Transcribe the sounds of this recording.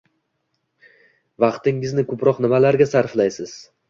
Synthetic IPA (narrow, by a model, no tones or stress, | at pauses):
vɑqt̪ɪŋɪznɪkʰɵpɾɒqnɪmalaɾɡʲasaɾflajsɪz̥